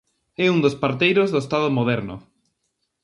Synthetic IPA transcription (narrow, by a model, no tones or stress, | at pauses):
ɛund̪ospaɾt̪ejɾozðoest̪aðomoðɛɾnʊ̰